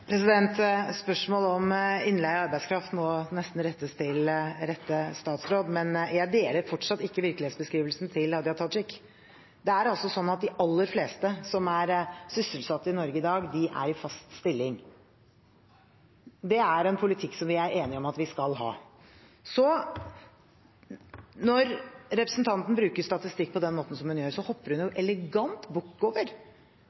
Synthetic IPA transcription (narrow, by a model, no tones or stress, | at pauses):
pʰɾɛsɪd̪ɛnt̪spœʂmoːlɔmɪnlæɪɑɾbæɪskʰɾɑft̪mɔnɛst̪n̩ɾɛt̪ːəst̪ʰɪlɾɛt̪ːəst̪ɑːt̪sɾoːd̪mɛnjæɪd̪eːləɾfɔʈʂɑt̪ːɪkːəʋɪɾkəlɪheːt̪sbəskɾiːʋəlsn̩t̪ʰɪlɑd̪ɪhɑt̪ʰɑt̪ʂɪkː | d̪ɛæɾɑlsɔsɔnːɑt̪̚d̪ɪʔɑlːəɾfleːst̪əsɔmæɾsʏsəlsɑt̪ːəɪnɔɾɡəɪd̪ɑːɡd̪ɪʔæ̰ɾɪfɑst̪st̪ɪlːɪŋ | d̪ɛæɾɛnpʰʊlɪt̪ʰɪkːsɔmʋɪæɾeːnɪɔmɑt̪ʋɪskɑlɦɑ̰ː | sɔ | nɔɾɾɛpɾəsn̩t̪ʰɑnt̪n̩bɾʉːkəst̪ɑt̪ɪst̪ɪkːpʰɔd̪ɛnmoːt̪n̩sɔmhʉnjøːɾsɔhɔpːəɾhʉnjʊʔɛlɛɡɑnt̪bʊkːoːʋəɾ